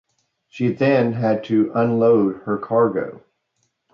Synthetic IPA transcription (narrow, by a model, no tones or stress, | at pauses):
ʃiðɨ̃nɦɨd̚tʰɨʔə̃nloʊd̚ə˞kʰɑɹɡoʊ